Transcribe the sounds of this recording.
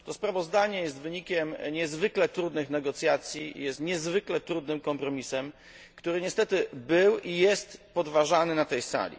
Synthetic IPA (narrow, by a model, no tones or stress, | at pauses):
t̪ɔspɾavɔzd̪aɲɛjɛst̪vɘɲikʲɛmɲɛzvɘklɛt̪ɾud̪nɘxnɛɡɔt̪sʲjat̪sʲjḭjɛst̪ɲɛzvɘklɛt̪ɾud̪nɘmkɔmpɾɔmʲisɛm | kt̪uɾɘɲɛst̪ɛt̪ɘbɘwijɛst̪pɔd̪vaʐanɘnat̪ɛjsa̰lʲḭ